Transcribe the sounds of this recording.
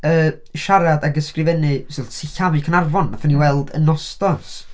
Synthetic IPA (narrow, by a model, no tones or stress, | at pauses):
əː | ʃaɾadaɡəskrɨvɛnɨsɪlˠsʰɪɬavɨkʰənarvɔnmaθaniwɛlˠdə̰nɔstɔs